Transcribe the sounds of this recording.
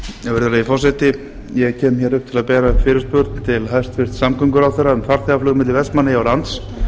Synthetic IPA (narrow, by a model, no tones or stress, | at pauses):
jɛvɛɾðʏɾaifɔrsɛt̪ɪ | jɛcʰɛːmçɛːɾʏhp̚t̪ʰɪlaðpɛːɾafɪːɾʏspʏɾt̪nt̪ʰɪlɦajst̪fɪst̪samkœŋkʏɾawθɛɾːaɛnfaɾ̥θɛɣaflʏːɣmɪt̪lɪvɛst̪manːɪjawɾant̪s